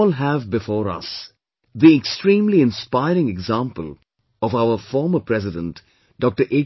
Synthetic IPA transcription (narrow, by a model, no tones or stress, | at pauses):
lɦævbɪfɔːɾʌ̰s | d̪iɛksʈɾĩːmliɪ̃nspaɪɾɪ̃ŋɛɡzãmpəl | ɔvaʊəfɔːɾməpʰɾɛzɪdə̃nʈ | ɖ̥ɔk̚ʈəɾʔe